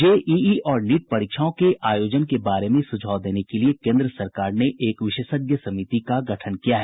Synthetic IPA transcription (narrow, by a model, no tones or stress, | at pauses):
d͡ʒeːʔiːiɔːɾniːʈ̚pɐɾikʃaõkeʔaːjoːd͡ʒənkebaːɾemẽsʊd͡ʒʱaːʊd̪eːnekeliekẽːnd̪ɾəsɐɾkaːɾneʔeːkʋɪʃəʃəɡjəsɐmit̪ikaɡʱɐʈʰənkijaɦɛː